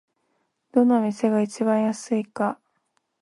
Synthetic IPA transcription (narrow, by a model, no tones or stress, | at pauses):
d̪̥o̞nomʲise̞ɡait͡ɕiβãɰ̃jasɨika